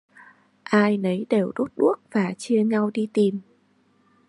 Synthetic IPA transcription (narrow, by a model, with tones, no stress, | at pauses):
ʔaː˧jnə˨˦jɗe˨˩wɗo˦˥t̚ɗu˦˥ək̚v̥aː˨˩t͡ɕi˧əɲa˧wɗi˧t̪i˨˩m